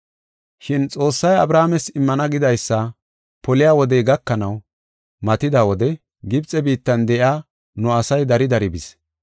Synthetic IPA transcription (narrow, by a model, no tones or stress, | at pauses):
ʃɪnt͡sʼo̞ːsːɐjɐbɾaːmɛsɪmːɐnɐɡɪd̪ɐjsːɐ | pɔlɪjaːwɔd̪ɛjɡɐkːɐnɐw | mɐt̪ɪd̪aːwɔd̪ɛ | ɡɪbt͡sʼɛbiːt̪ːɐnd̪ɛʔɪaː | nʊɐsɐjd̪ɐɾɪd̪ɐɾɪbɪs